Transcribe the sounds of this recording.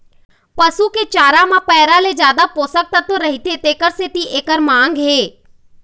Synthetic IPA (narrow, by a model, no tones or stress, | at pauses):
pəsuket͡ʃaːɾamãpɛːɾaled͡ʒjaːd̪apoːsək̚t̪at̪oɾɐɦit̪et̪eːkəɾset̪iʔeːkəɾmãːŋɡɦeː